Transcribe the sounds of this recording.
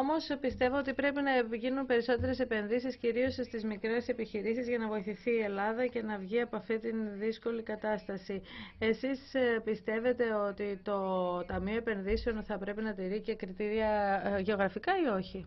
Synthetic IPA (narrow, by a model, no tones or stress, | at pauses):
omo̞spist̪e̞voot̪ipɾe̞pinɐeʝinunpe̞ɾiso̞t̪e̞ɾe̞se̞pe̞nðisisciɾio̞sst̪izmikɾe̞se̞piçiɾisizʝɐnɐvo̞iθiθiːe̞lɐðɐce̞nɐvʝiɐpoɐft̪it̪inðisko̞likɐt̪ɐst̪ɐsie̞sispist̪e̞ve̞t̪e̞o̞t̪it̪o̞t̪ɐmio̞epe̞nðiseo̞nθɐpɾe̞pinɐt̪iɾice̞kɾit̪iɾiɐʝe̞oɣɾɐfikɐio̞çi